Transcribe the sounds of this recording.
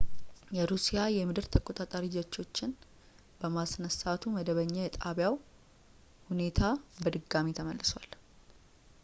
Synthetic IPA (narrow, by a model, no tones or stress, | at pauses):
jɛɾusijajɛmɨd̪ɨɾt̪ʰəkʼo̞t̪ʼat̪ʼaɾid͡ʒɛt͡ʃːo̞t͡ʃːɪn | b̥əmasnəsat̪ʰuməd̪əβəɲːajɛt̪ʼaβjaw | hune̞t̪ʰabəd̪ɨɡːamit̪ʰəməlːɨswal